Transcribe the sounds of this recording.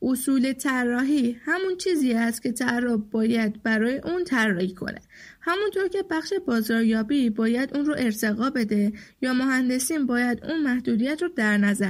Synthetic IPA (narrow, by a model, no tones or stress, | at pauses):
ʔosuːle̞t̪ʰærːɒːɦiːhæmunt͡ʃʰiːziːæst̪cʰe̞t̪ʰæɾːobbɒːjæd̪bæɾɒːje̞ʔunt̪ʰærːɒːhikʰo̞̰nʔe̞̥̰ | hæmunt̪ʰo̞ɾcʰe̞bæxʃe̞bɒːzɒːɾjɒːbibɒːjæd̪uːnɾoʔe̞ɾt̪ʰe̞ɣɒːbe̞d̪e̞jɒːmoɦænd̪e̞siːmbɒːjæd̪ṵnmæhd̪uːd̪ijæt̪ɾɔd̪æɾnæzæɾ